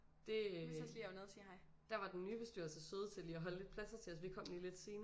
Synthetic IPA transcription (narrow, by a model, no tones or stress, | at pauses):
d̥e̝linoðˠɐsiːhɑɪ | d̥æɐʋɑ̈d̥ennːyːb̥esd̥yɐsesøːð̞ˠt͡sʰe̝liːɐɦɒ̽ləle̝d̥̚pʰlæsɐt͡sʰe̝ɒsʋikʰɒ̽m̰liːle̝d̥se̝ːn